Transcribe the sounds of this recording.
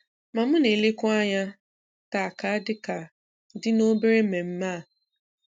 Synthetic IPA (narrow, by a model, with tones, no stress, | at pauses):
ma˨m̩˦ne˨lɪ˦kʊ˦a˦ɲa˦ | ta˨ka˨a˦dɪ˦ka˨ | dɪ˦no˦be˦ɾe˦me˨m̩˦maː˦˨